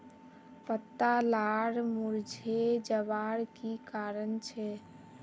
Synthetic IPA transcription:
pət̪ːalaɽmuɾd͡ʒʱed͡ʒəbaɽkikaɾənt͡ʃʰɛ

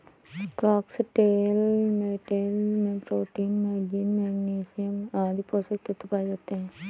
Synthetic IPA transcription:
kɾaːksʈeːlmeːʈeːlmẽpɾoːʈiːnmeːd͡ʒinmɛɡniːsijəmaːd̪iposəkɪt̪ːɪpaːd͡ʒat̪ːeɦɛ̃ː

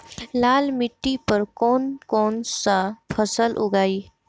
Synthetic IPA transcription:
laːlmɪʈːipəɾkɔːnkɔːnsapʰəsəlʔʊ̰ɡaːiː

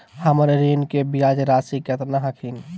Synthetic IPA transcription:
həmɾeɾinkebijad͡ʒɾaːsikət̪naɦəkʰin

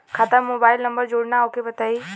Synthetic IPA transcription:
kʰat̪əɾmoːbaːɪlnɐ̃mbəɾd͡ʑoːɽnaʊkʰebɐt̪ʰaiː

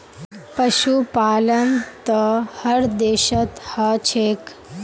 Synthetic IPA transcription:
pəɕupaːlənt̪əhəɾd̪eɕət̪hət͡ɕʰek

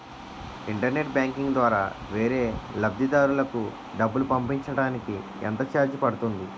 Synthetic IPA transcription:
iɳʈɐɾne̞ʈ̚bjaːŋkiŋɡd̪ʋaːɾa̰ːʋe̞ːɾe̞ːlɐb̚d̪ʱid̪aːɾulɐku | ɖɐbːulupɐmpiɲt͡ʃɐɽaːniki | ḛnt̪ɐt͡ʃaːɾd͡ʒipɐɽut̪und̪i

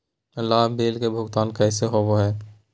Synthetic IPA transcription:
əlːaːɦbeːlkebʱʊɡt̪aːnkɛːseɦoʋoɦɛː

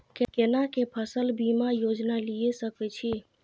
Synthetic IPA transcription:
kekenakepʰəsəlbimajod͡ʒnalijesəkɛt͡ʃʰi

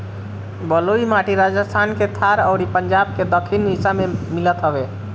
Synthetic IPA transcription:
bəloimaʈiɾad͡ʒəst̪ʰanket̪ʰaɾəʊɾipəɲd͡ʒab̚ked̪əkʰːinmisamemilət̪ɦəbe

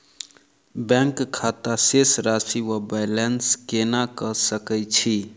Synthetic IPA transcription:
bɛ̃ŋkkʰːat̪asesɾasiwabajlenskenakəsəkɛjt͡ʃʰi

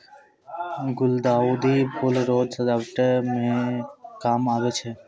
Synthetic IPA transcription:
ɡʊld̪aːud̪iːpʰʊlɾoːd͡ʒsəd̪aʈmẽkaːmaːʋeːt͡ʃʰe

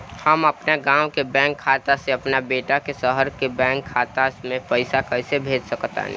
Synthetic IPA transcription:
həməpnaɡãːʊkebɛ̃ːŋkʰːaːt̪aseəpnabeːʈakesəɦəɾkebɛ̃ːŋkʰːaːt̪amẽpəɪsakəɪsebʱeːd͡ʒsəkt̪a̰

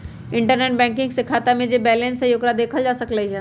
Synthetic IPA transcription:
ɪ̃ɳʈəɾneːʈ̚bɛ̃ːŋk̬ɪ̃ŋɡsekʰaːt̪amẽd͡ʑebɛːlẽnsɐjʊkɾad̪eːkʰəld͡ʒaːsɐkləiɦɛː

